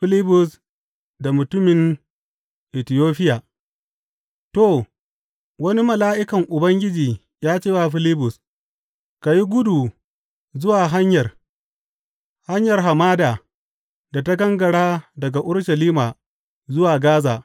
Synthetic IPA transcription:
ɸɪ˦lɪ˦bʊ˨s | da˨mʊ˨tʊ˦mɪ˨n | ʔɪ˨tɪ˨joː˦ɸɪ˦jaː˨ | toː˦˨ | wɐ˦ni˦mɐ˨laː˦ʔɪ˦kɐ˨ŋʔʊ˨bɐ˦ŋɡʲɪ˦d͡ʒiː˨ | jaː˦t͡ʃeː˦˨waː˦˨ɸɪ˦lɪ˦bʊ˨s | ka˨ji˦ɡʷʊ˦du˨ | zʊ˦waː˨ɦa˦ɲjɐ˨r | ha˦ɲjɐ˨rɦa˨maː˦daː˨ | da˨ta˦ɡɐ˦ŋɡɐ˨ɽaː˦dɐ˨ɡa˨ʔʊ˦ɽʃɐ˨liː˦maː˨ | zʊ˦waː˨ɡaː˦zaː˨

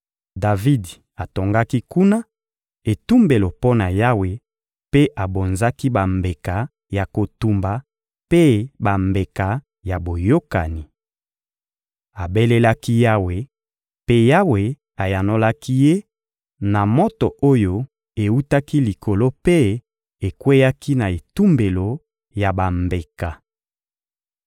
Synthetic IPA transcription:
da˨vi˦d | a˨to˨ŋɡa˦ki˦ku˦na˦ | e˨tu˦mbe˨lo˨po˦na˨ja˦we˨ | pe˦ʔa˨bo˨nza˦ki˦ba˨mbe˨ka˨ | ja˨ko˨tu˨mba˨ | pe˦ba˨mbe˨ka˨ | ja˨bo˨jo˦ka̰˨ni˨ | a˨be˦le˦la˦ki˦ja˦we˨ | pe˦ja˦we˨ | a˨ja˨no˦la˦ki˦je˦ | na˨mo˦to˨o˦jo˦ | e˨wu˦ta˦ki˦li˨ko˨lo˦pe˦ | e˨kwe˦ja˦ki˦na˨e˨tu˦mbe˨lo˨ | ja˨ba˨mbe˨ka˨

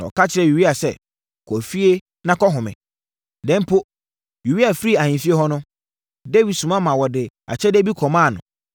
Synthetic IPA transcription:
nã˨ɔ̰˨kʰa˦t͡ɕʰɪ˨˦ɾɛ˨u˨wi˦a˨sɛ̰˨ | kʰɔ˨fi˦e˦ | nã˦kɔ˦ɦʊ̃˨mɪ̰̃˨ | dɛ̃˦m˦pʰo˦ | ju˨wi˦a˨fɾi˦˨a˨ɲĩ˨nfi˦e˦hɔ˦nʊ̃˦ | de˦wi˨dsũ˨mã˦mã˨wɔ˨dɪ˨ | a̰˨t͡ɕʰɛ˦de˦bi˦kʰɔ˨mã˦˨nʊ̰̃˨

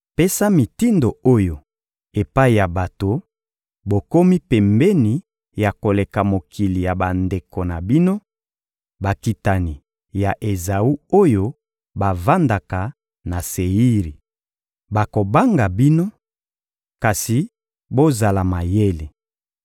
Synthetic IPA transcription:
pe˦sa˦mi˨ti˦ndo˨o˦jo˨ | e˨pa˦i˨ja˨ba˨to˨ | bo˨ko˦mi˦pɛ˨mbɛ˦ni˨ | ja˨ko˨le˨ka˨mo˨kʰi˨li˨ja˨ba˨nde˨ko˨na˨bi˦no˦ | ba˨ki˨ta˨ni˨ | ja˨ʔe˨za˨u˦o˦jo˦ | ba˨va˦nda˨ka˨ | na˨se˨i˦ʁi˨ | ba˨ko˨ba˦ŋɡa˨bi˦no˦ | ka˨si˨ | bo˦za˨la˨ma˨je˦li˨

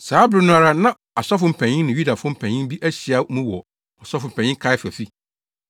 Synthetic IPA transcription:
saː˨˦bɾɪ˦nʊ̃˦a˨ɾa˦nã˦ | a˨sɔ˦fʊ̃˨m̩˨pʰɛ̃˨ɲɪ̃˦nɪ̃˨ju˦da˨fʊ˦ʊ̃˦m̩˦pʰæ̃˨ɲɪ̃˦m˦bi˦ʔæ˦ɕi˨a˦mũ˦wɔ˨ | ɔ˨sɔ˦fʊ˨m̩˨pʰæ̃˨ɲ̃˦ɪ̃˦ŋkʰa˦ɛ˦fæ˨fi˦

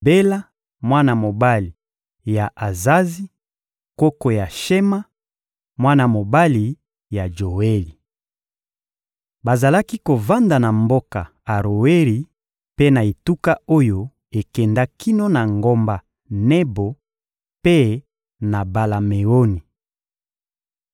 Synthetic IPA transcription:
be˦la˦ | mwa˦na˨mo˨ba˦li˨ | ja˨ʔa˨za˦zi˦ | ko˦ko˨ja˨ʃɛ˦ma˦ | mwa˦na˨mo˨ba˦li˨ | ja˨d͡ʒo˨we˦li˨ | ba˨za˨la˦ki˦ko˨va˦nda˨na˨mbo˦ka˨ | a˨ʁo˨we˦li˨ | pe˦na˨e˨tu˦ka˦o˦jo˦ | e˨kɛ˨nda˦ki˦no˦na˨ŋɡo˦mba˨ | nɛ˦bo˨ | pe˦ | na˨ba˨la˨me˨o˦ni˨

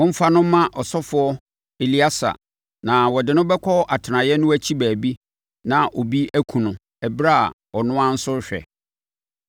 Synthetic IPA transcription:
wɔ̃˦m̩˦fa˦nʊ̃˦mːã˦ʔɔ˨sɔ˦fʊ˨ɔ˦ | e˨li˦a˦sa̰˨ | nã˨wɔ˨dɪ˨nʊ̃˦bɛ˦kʷʰɔ˦ʔa˨tʰɪ˨nã˨jɛ˦nʊ̃˦æ˦t͡ɕʰi˦bæː˨bi˦ | nã˨ʔo˨bi˦æ˦kʰũ˨nʊ̃˨ | ɛ˨bɾa˦a˨ | ɔ˨nʊ̃˦ã˦n̩˦sʊ˦ɾɕᶣɛ̰˨

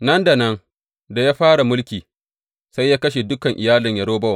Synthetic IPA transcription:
nɐ˦nda˨nɐ˦ŋ | da˨jaː˦ɸaː˦ɽa˨mʊ˦lkʲiː˨ | sa˦jːaː˦kɐ˦ʃe˨dʊ˦kɐ˨ŋʔɪ˨jaː˦lɪ˨ɲjɐ˨ɽoː˦bɐ˦wa˨

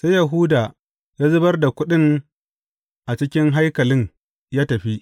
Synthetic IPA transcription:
sa˦jɐ˨ɦʊː˦da˨ | jaː˦zʊ˦bɐ˦rda˨kʷʊ˦ɗɪ˦ŋ | ʔa˨t͡ʃɪ˦kʲɪ˦ŋɦa˦jkɐ˨lɪ˦ɲ | jaː˦tɐ˨ɸi˦ʔ

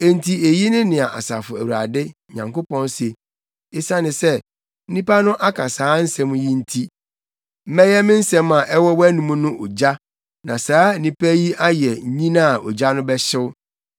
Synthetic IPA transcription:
e˨n̩˨tʰi˨e˨ji˦nɪ̃˦nɪ̃˨a˨ʔa˨sa˨fʊ˨æ˨wu˨a̰˨dɪ˦ | ɲã˨ŋko˦pɔ̃˦n˦se˨ | e˦sa˦nɪ̃˨sɛ˦ | n̩˦nĩ˦pa˦nʊ̃˦ʔa˦kʰa˨saː˨˦n̩˦sɛ̃˦m̃˦ji˦n̩˦tʰi˦ | m̩˦mɛ̃˦jɛ˦mɪ̃˦n̩˦sɛ̃˦mã˨ʔɛ˦wɔ˦wɔ˦æ˦nũ˦mũ˦nʊ̃˦ʔo˨d͡ʑa˦ | nã˨saː˦nĩ˦pʰæ˦ji˦a˦jɛ˨ɲĩ˦nã˦˨ɔ˨d͡ʑa˦nʊ̃˦bɛ˦ɕɪ˦wʊ˦

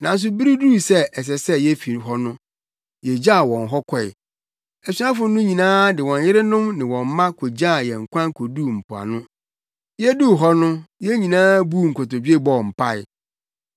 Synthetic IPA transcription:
nã˨n˦s̬ʊ˨bi˦ɾi˦du˦˨sɛ˦ɛ˨s̬ɛ˨sɛ˦jɛ˦fi˨ɾɦɔ˦nʊ̃˦ | jɛ˨d͡ʑa˦˨wɔ̃˨n˨ɦɔ˦kʰɔ˨ɪ̰˨ | ɛ˨su˦ã˦fʊ˨˦nʊ̃˦ɲĩ˨nãː˦dɪ˨wɔ̃˨njɪ˦ɾɪ˦nʊ̃˦mnɪ̃˨wɔ̃˨m˦mã˦kʰo˨d͡ʑa˦˨jɛ˨ŋ̩˨kʰʷã˦ŋkʰo˨du˦˨m̩˨pʰʊ˨a̰˨nʊ̃˦ | jɛ˦du˦˨ɦɔ˦nʊ̃˦jɛ˦ɲĩ˨nãː˦bu˦˨ŋ̩˨kʰɔ˨tɔ˨d͡ʑᶣɥe˦bɔ˦˨m̩˨pʰa˦˨ɪ̰˨

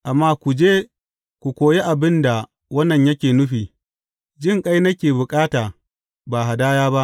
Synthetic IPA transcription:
ʔa˨mːaː˦kʷu˨d͡ʒeː˦ | kʷu˨kʷoː˨je˦ʔa˨bɪ˦nda˨ | wɐ˦nːɐ˨ɲjɐ˦kʲeː˨nʊ˦ɸiː˨ | d͡ʒɪ˦˨ŋkʼa˦jnɐ˦kʲeː˨bʊ˨kʼaː˦taː˨ | baː˨ɦa˨daː˦jaː˦ba˦ʔ

